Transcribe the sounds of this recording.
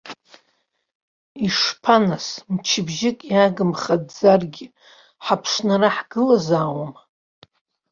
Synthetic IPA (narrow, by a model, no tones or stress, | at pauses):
iʂpʰanasmt͡ʃʰɪbʒɪkʼjaɡɨmχadd͡zarɡʲɪ | ħapʰʂnaraħɡ̥ɨlazaːwam